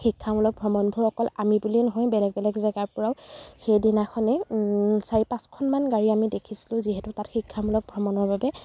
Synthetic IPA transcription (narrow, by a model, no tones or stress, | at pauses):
xikʰːamulɔk̚bʱɔmɔnbʱuɹɔkɔlamibulinɔɦɔjbɛlɛɡ̚bɛlɛɡzɛɡaɹpɔɹawxejdinaxʰɔnɛsaɹipãskʰɔnmanɡaɹiamidekʰisi̥lʊ̃ziɦɛtʊtatxikʰːamulɔk̚bʱɹɔmɔnɔɹbabɛ